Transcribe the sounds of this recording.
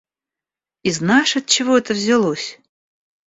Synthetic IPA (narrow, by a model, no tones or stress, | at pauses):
iznaʂɨɐt̪̚t͡ɕɪvoɛt̪əvzʲɪlˠosʲ